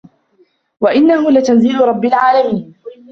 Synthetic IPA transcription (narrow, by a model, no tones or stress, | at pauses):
waʔɪnːahʊlat̪anziːlʊɾˤɑbːɪlʕaːlamiːn